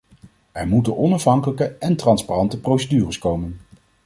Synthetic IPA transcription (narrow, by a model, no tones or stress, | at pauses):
ɛɹmutənʔɔnɑfɦɑŋkələkəɛntrɑnsparɑntəprowsədyːrəskowmən